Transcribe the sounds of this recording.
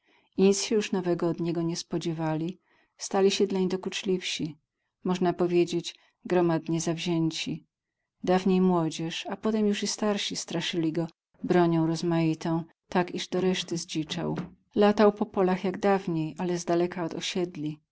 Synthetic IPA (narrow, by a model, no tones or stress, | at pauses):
iɲit̪sɕɛjuʂnɔvɛɡɔːd̪ɲɛɡɔɲɛspɔd͡ʑɛvalʲi | st̪alʲiɕɛd̪laɲid̪ɔkut͡ʂlʲifɕi | mɔʐnapɔvʲjed͡ʑed͡ʑ | ɡɾɔmad̪ɲɛzavʑɛɲt͡ɕi | d̪avɲejmwɔd͡ʑɛʂapɔt̪ɛmjuʂist̪aɾɕist̪ɾaʂɘlʲiɡɔ | bɾɔɲɔ̃w̃ɾɔzmajit̪ɔ̃w̃ | t̪akiʐd̪ɔɾɛʂt̪ɘzd͡ʑit͡ʂa̰w | lat̪awpɔpɔlaxjaɡd̪avɲejʔalɛzd̪alɛkaɔd̪ɔɕɛd̪lʲi